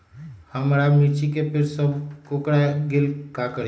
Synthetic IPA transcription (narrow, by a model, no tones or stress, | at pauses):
hɐmɾamit͡ʃikepʰɪɾsəb̚kokɽaɡɪlkakəɾ